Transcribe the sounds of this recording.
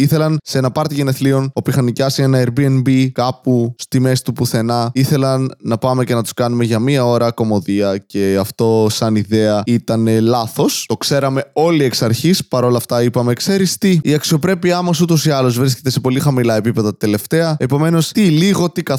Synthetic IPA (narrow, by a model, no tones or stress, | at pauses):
iθe̞lɐnse̞nɐpɐɾt̪iʝeneθlio̞no̞pixɐnicɐsienɐeɾbienbikɐpust̪ime̞st̪upuθe̞nɐiθe̞lɐnːɐpɐme̞cenɐt̪u̥skɐnume̞ʝɐmiɐo̞ɾɐko̞mo̞ðiɐce̞ɐft̪o̞sɐniðeɐit̪ɐne̞lɐθo̞st̪o̞kse̞ɾɐme̞o̞lie̞ksɐɾçispɐɾo̞lɐft̪ɐipɐme̞kse̞ɾist̪iːɐksio̞pɾe̞piɐmɐsut̪o̞siɐlozvɾisce̞t̪ese̞po̞lixɐmilɐe̞pipe̞ðɐt̪e̞le̞ft̪e̞ɐe̞po̞me̞no̞st̪iliɣo̞t̪ikɐ